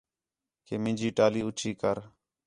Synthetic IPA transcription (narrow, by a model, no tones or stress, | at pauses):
keːmɪ̃nd͡ʒiːʈaːliːʊt͡ʃʰiːkəɾ